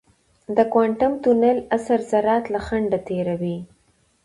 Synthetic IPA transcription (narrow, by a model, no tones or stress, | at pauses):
d̪əkwɑɳʈʊmt̪unalasaɾzaɾɑt̪laxaɳɖat̪eɾawi